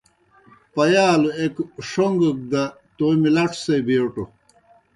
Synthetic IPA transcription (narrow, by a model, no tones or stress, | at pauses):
pɐjaːluekʂoŋɡək̚d̪ɐ | t̪omilɐʈ͡ʂsebeːʈo